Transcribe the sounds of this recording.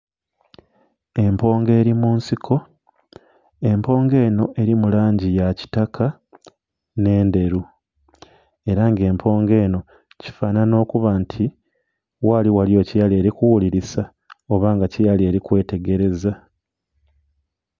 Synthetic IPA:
e̞mpo̞ːŋɡe̞ːɾimuːnsikʰo̞ | e̞mpo̞ːŋɡe̞ːno̞ʔe̞ɾimulaːɲɟijaci̥takʰa | ne̞ːnde̞ɾu | e̞ɾaŋɡe̞ːmpʰo̞ːŋɡe̞ːno̞ | ci̥faːnano̞ːkuβantʰi | waliwaljo̞ːcijale̞ːɾikuwuliɾisa | o̞βaːŋɡacijalie̞ːɾikwe̞ːte̞ɡe̞ɾe̞za

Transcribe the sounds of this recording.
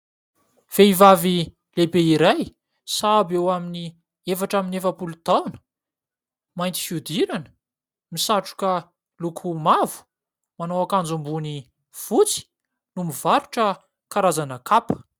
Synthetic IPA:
v̥eivavi | lebeiɾaj | sabewamini | efaʈ͡ʂaminefəpulud̪̥awnə̥ | majnt̪i̥fjud̪iɾanə̥ | misaʈ͡ʂu̥kə | lukʰumavu̥ | manowakand͡zumbuni | v̥ut͡si̥ | numiv̥aɾuʈ͡ʂə | kaɾazanəkapə̥

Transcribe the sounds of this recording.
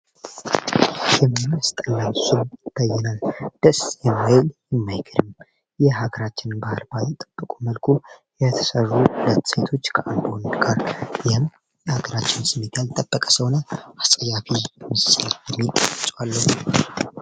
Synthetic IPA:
jɛmajst̪ʼənːamsumb̪̥əjːɛnald̪̥əsjɛmːajljɛmːajɡʰɨɾɨm | jɛɦaɡəɾat͡ʃːɪnbahɨlbajɪt̪ʼːəb̥ːəkʼuməlkʰujɛt̪ʰə̥sərːuhulət̪ːse̞t̪ʰo̞t͡ʃːkʰəʔand̪wand̪ɡaɾjɪhɨm | jɛhaɡəɾat͡ʃːɪnsɨmet̪ʰalt̪ʼəbːəkʼə̥səwnəasʼəjafimɨsaljɛmːilt͡ʃʼwalːəh

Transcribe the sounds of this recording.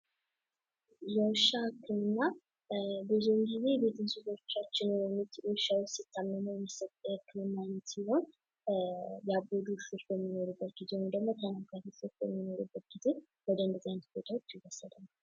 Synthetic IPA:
jɛwʃahkːɨmɨnːa | bɨzemɡize̞bet̪ʰɨnsuzot͡ʃːat͡ʃːɪnjɛmit̪jɛwʃawsɪt̪ʰːamːəməwjsəhkːɨmɨmːanːət̪siho̞n | jabəd̪usɨfbəmːino̞ɾubːət̪̚ɡizewud̪əɡmːo̞k̪ʰənakat̪ifɨfjɛ̰mːino̞ɾubːət̪̚ɡ̥ize̞ | wɔd̪ənd̪əzant̪bot̪ʰawot͡ʃːjiwəsːəd̪əna

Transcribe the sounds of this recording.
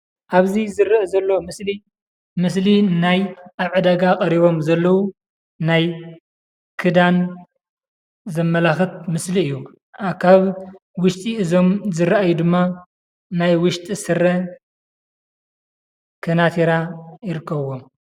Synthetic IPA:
ʔaβzizɨɾɐʔɐzɐlːomɨsli | mɨs̬linajʔaβʕɨd̪aɡakʼɐɾiβo̞mzɐlːɐwu | naj | kʰɨd̪an | zɐmːɐlaxɨt̪̚mɨsliɨjːu | kʰaβ | wʊʃt̪ʼiʔɨzo̞mzɨɾʔajud̪ɨmːa | najwʊʃt̪ʼisɨrɐ | kʰɐnat̪ʰeɾajɪɾɨkːɐβwo̞m

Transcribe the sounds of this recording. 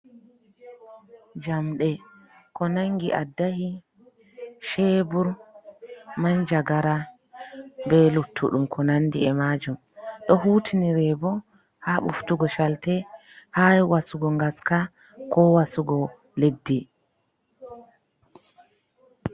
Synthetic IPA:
d͡ʒamɗɛ | kɔnaŋɡiʔadːahi | ʃɛːbuɾ | mand͡ʒaɡaɾa | bɛlutʰːṵɗumkʰɔnanːdiɛmad͡ʒum | ɗɔhuːtʰiniɾɛbɔ | haɓṵftuɡɔʃaltɛ | hawasuɡɔŋɡaska | kɔwasuɡɔ | ledːi

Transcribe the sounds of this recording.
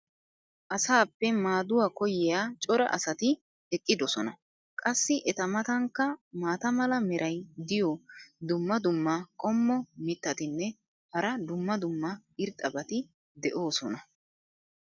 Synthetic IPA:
ʔɐsaːpːɛmaːd̪ʊwaːkɔjɪjaːt͡ʃʼɔɾɐ̰ʔɐ̰sɐt̪ɪ | ɛkʼːɪd̪ɔsɔnɐ | kʼɐsːɪʔɛt̪ɐmɐt̪ɐŋkːɐmaːt̪ɐmɐlɐmɛɾʔɐjd̪ɪjɔd̪ʊmːɐd̪ʊmːakʼɔmːɔmɪt̪ːɐt̪ɪnːɛ | hɐɾɐd̪ʊmːɐd̪ʊmːɐɪɾt̪ʼɐbɐt̪ɪ | d̪ɛʔo̞ːsɔnɐ

